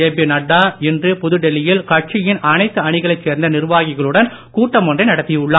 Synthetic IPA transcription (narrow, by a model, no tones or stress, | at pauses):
eːbinɐɽːaːɛndrɯpʊðɯɖɛlɪjɪlkɐʈ̚t͡ʃɪjɪnʔɐnɐɪt̪ːɯɐɳɪɣɐɭɐɪt͡ʃseːɾnd̪ɐnɪɾɯʋaːɣɪɣɐɭɯɽɐn | kuːʈːɐmɔndrɐɪnɐɽɐt̪ːɪjɐʊɭːaː